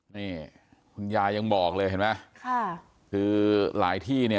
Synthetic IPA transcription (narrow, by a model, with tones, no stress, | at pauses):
niː˥˩ | kʰu˧njaː˧ja˧ŋbɔː˨˩k̚lɤː˧jɦe˩˦ma˦˥kʰa˥˩ | kʰɯː˧la̰ː˩˦jt̪ʰiː˥˩ni˥˩